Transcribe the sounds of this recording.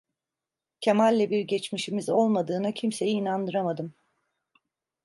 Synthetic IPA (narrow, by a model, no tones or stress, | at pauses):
cʰemalʲːɛbiɾɟet͡ʃmiʃimizo̞lˠmad̪ɯːnacʰimse̞jiːnand̪ɯɾamad̪ɯm